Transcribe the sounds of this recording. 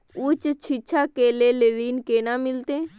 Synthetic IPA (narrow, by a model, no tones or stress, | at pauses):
ut͡ʃt͡ʃʰit͡ʃʰakeːleleɾiːnkeːnamɪlt̪eː